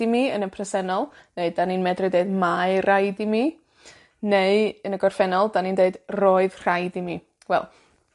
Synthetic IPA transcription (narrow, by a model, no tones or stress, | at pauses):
imiənəpʰrɛsɛnɔlˠ | neɨdaninmɛdrɨdeɨdmaɨrajdimi | neɨənəɡɔrfɛnɔlˠdaniːndeɨdroɨðr̥ajdimi | wɛ̰lˠ